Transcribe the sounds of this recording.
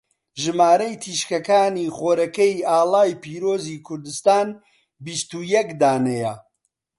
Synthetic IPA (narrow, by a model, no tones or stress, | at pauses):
ʒɨmaːɾɐjt̪ʰiːʃkɐkaːniːχoːɾɐkejaːlaːjpʰiːɾoːziːkʰʊɾd̪ɨst̪aːn | bist̪ujɛkd̪aːnɛjɐ